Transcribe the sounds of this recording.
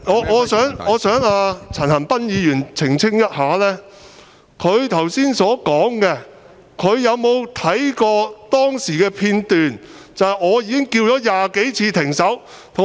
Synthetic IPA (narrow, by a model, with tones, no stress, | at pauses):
ŋɔː˨˧ɔː˨˧sœː˨˥ŋɔː˨˧sœː˨˥ŋaː˧t͡sʰɐ˨˩nhɐ˨˩npɐ˥njiː˨˧jyː˨˩nt͡sʰɪ˨˩ŋt͡sʰɪ˥ŋjɐ˥t̚haː˨˥lɛː˥ | kʰɵ˨˧ɥt̪ʰɐ˨˩wsiː˥nsɔː˨˥kɔː˨˥ŋkɛ˧ | kʰɵ˨˧ɥjɐ˨˧wmo˨˧wt̪ʰɐ˨˥jkɔː˧t̪ɔː˥ŋsiː˨˩kɛː˧pʰiː˧nt̪yː˨n | t͡sɐ˨whjɔː˨˧jiː˧kɪ˥ŋkiː˧wt͡ʃɔː˨˥jaː˨ke˨˥jt͡sʰiː˧t̪ʰɪ˨˩ŋsɐ˨˥w | t̪ʰʊ˨